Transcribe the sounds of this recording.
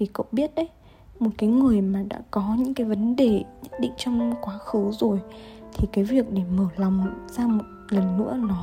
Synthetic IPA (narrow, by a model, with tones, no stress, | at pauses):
i˨˩kə̰˧˨wɓi˦˥ət̚ʔə˨˦j | mo˨˩t̚kaː˨˦jŋɨ˨˩əjmaː˨˩ɗa̰ː˧˥kɔ˨˦ɲɨ̰˧˥ŋkaː˨˦jvə˨˦nɗe˨˩ɲə˦˥t̚ɗḭ˧˨ŋ̟t͡ɕɔ˧wŋ͡mkwaː˨˦xɨ˨˦zo˨˩jt̪ʰi˨˩kaː˨˦jvi˨˩ək̚ɗe˧˩məː˧˩la˨˩wŋ͡mz̥aː˧mo˨˩t̚lə˨˩nŋɨ̰˧˥ənɔ˨˦